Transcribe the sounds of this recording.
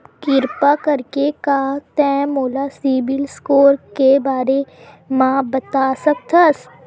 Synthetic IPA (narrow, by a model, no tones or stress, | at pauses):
kɪɾpakɐɾkekaːt̪ɛ̃ːmoːlasiːbɪlskoːɾkebaːɾe | mãːbɐt̪aːsɐk̚t̪ʰas